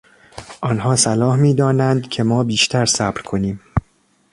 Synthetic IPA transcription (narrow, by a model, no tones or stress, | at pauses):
ʔɒːnɦɒːsælɒːhmiːd̪ɒːnænd̪cʰe̞mɒːbiːʃt̪ʰæɾsæːbɾkʰo̞niːm